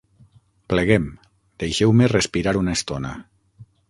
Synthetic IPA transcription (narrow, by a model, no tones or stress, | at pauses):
pleɣem | d̪̥ejʃewmerespiɾaɾunest̪onə̰